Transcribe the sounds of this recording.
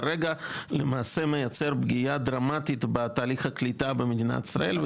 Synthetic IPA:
ɾeɡalemaːse̞me̞jat͡seɾbɡijad̪ɾamat̪it̪bet̪aːliχaklit̪abemed̪ina̰t̪i̥sɾa̰ʔe̞lv

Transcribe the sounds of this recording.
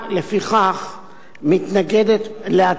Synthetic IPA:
le̞fiχaχ | mit̪naɡe̞d̪et̪lea

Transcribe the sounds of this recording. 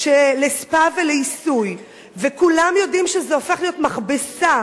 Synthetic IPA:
ʃelespaveleisuj | vekulamjo̞dimʃezeofe̞χlijo̞tmaχbesa

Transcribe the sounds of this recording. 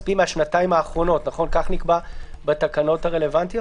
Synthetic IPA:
pimeaʃnataimaːχʁo̞no̞tnaχo̞nkaχnikbabetakano̞thaʁele̞vant̪i

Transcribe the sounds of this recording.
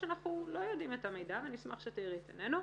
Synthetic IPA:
anaχnulo̞jodimetame̞jdavenismaχʃetiʁitenenu

